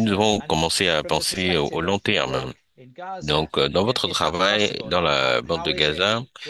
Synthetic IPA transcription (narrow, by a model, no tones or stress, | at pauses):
nuzavɔ̃kɔmɑ̃seapɑ̃seʔolɔ̃t̪ɛʁm | d̪ɔ̃kd̪ɑ̃vɔt̪χət̪χavajd̪ɑ̃labɑ̃t̪̚d̪əɡaza